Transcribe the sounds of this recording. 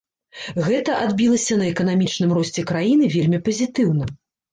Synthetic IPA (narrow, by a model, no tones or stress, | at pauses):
ɣɛt̪ɐʔad̪bʲilˠɐsʲɐnɐɛkɐn̪amʲit͡ʂnɨmrɔsʲt͡sʲɛkɾajinɨvʲelʲmʲipɐzʲit̪ɨwn̪ɐ